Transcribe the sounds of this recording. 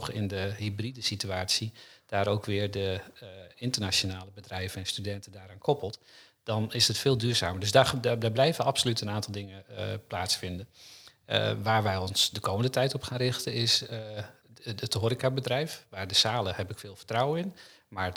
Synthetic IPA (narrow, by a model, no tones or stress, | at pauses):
xɪndəɦibridəsityaːsid̥aːɾoːwkʰʋɪːɹdə | ɪntərnat͡ʃonaːləbədrɛjvənɛnstydɛntədaːɾaːnkʰɔpəlˠt | d̥ɑnɪsətfɪːlˠdyːɹza̰ːməɹdɵsdaddaɹblɛjvənɑpsolytənaːntɑlˠdɪŋəplaːtsfɪndən̰ | ʋaːɹʋɛjɔnsdəkowməndətɛjtɔpχaːnrɪxtənɪs | ətɦoːɾikabədrɛjfʋaːɹdəsaːləhɛpɪkfɪːlˠvəɹtrawəɪn | maːɹ